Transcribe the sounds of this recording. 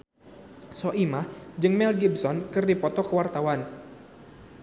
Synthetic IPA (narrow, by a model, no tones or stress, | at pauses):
sɔʔimahd͡ʒɨŋmɛlɡib̚sɔnkɨrdipɔt̪ɔkəwart̪awan